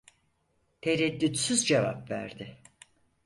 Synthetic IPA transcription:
t̪ʰeɾɛd̪ːyt̪syzd͡ʒevapvæ̰ɾd̪ɪ

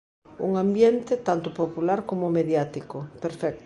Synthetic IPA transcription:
ṵŋãmbjent̪ɪt̪ant̪ʊpopulaɾkomomeðjat̪ikopeɾfɛk̚t̪

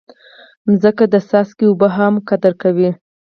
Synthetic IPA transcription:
mzəkad̪əsɑskeubəɦamkad̪əɾkawi

